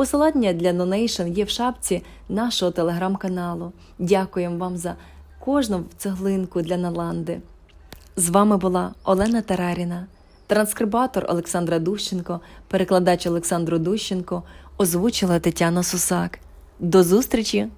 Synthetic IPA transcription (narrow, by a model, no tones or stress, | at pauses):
pɔslˠɑdʲnʲɐd̪ʲlʲɐd̪ɔnɛjʃɔnjɛwʃɑbt͡sʲi | nɑʃɔɦɔt̪elˠeɦɾɑmkɐnɑlˠʊ | dʲakʊjemʋɑmzɐ | kɔʒnɔwt̪seɦlˠɪnkʊd̪lʲɐnɐlˠɑnd̪ɪ | zʋɑmɪbʊlˠɑɔlˠɛnɐt̪ɐɾɑɾʲinɐ | t̪ɾɐnskɾɪbɑt̪ɔrɔ̰lˠeksɑnd̪ɾɐd̪uʃt͡ʃɪnkɔpeɾeklˠɐd̪ɑt͡ʃɔlˠeksɑnd̪ɾʊd̪uʃt͡ʃenkɔɔzʋut͡ʃɪlˠɐt̪ɐtʲːanɐsʊsɑk | d̪ɔzust̪ɾʲit͡ʃʲi